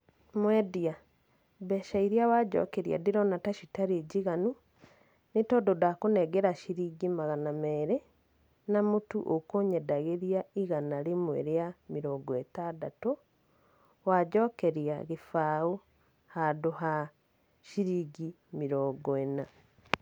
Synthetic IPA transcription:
mwɛdia | bɛʃaiɾiawaɟɔ̰kɛɾia̰diɾɔnataʃitaɾeɟiɣanu | netɔdodakonɛɡɛɾaʃiɾiːɡimaɣanamɛːɾɛ | namutṵʔokoɲɛdaɣeɾiaiɣanaɾemwḛɾeamiɾɔːɡɔetadato | waɟɔkɛɾiaɣefaːu | hadoɦa | ʃiɾiɡi | miɾɔːɡɔɛna

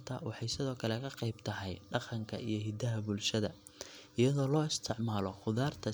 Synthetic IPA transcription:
t̪ʰɐ̰wɑħɑjsɪðɔːkʰɐlɛkʰɐqejb̚t̪ʰɐɦɛjɖɑqɑŋkʰɐ̰ʔijɞɦɪd̪ɐɦɐbʊlʃɐðɐ | ɪjɐðɔːlɔːɪst̪ʰɪʕmaːlɔχʊðaːrt̪ʰɐ

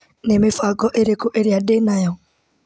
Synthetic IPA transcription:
nemefaɡɔʔeɾekoʔeɾjadenajɔ

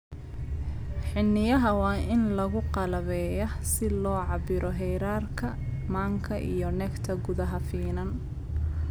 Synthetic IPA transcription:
ħɪnːɪjɐɦɐwɑːʔɪnlɐɣʊqɑlɐβɛːjɔsɪlɔːʕɑbɪɾʔɔɦɛjɾaːrkʰɐ | maːŋkʰɐʔḭjɔnɛkt̪ʰɐɡʊðɐɦɐfiːnɐn

